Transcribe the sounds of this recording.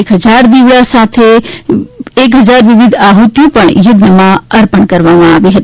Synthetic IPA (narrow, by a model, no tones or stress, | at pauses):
ekɦəd͡ʒaɾd̪ibɽasat̪ʰe | ekɦəd͡ʒaɾʋibid̪ʱaɦut̪jupəɳjud̪ʱəmãəɾpənkəɾʋamaabeɦət̪